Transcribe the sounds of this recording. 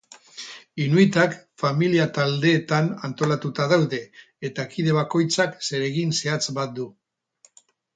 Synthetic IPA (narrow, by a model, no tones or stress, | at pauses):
inuit̪akfamiliat̪ald̪e̞ːt̪anant̪o̞lat̪ut̪aðawðe̞ | et̪akiðe̞β̞ako̞jt͡sakse̞ɾe̞ɣinse̞at͡sbat̪̚d̪u